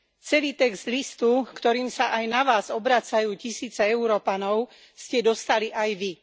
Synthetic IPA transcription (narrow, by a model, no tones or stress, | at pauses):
t͡sɛliːt̪ɛɡz̥d̪list̪ukt̪ɔɾiːmsaʔajnaʋaːzɔbɾat͡sajuːcisiːt͡sɛɛuɾɔːpanɔʊ | scɛd̪ɔst̪aliʔajʋi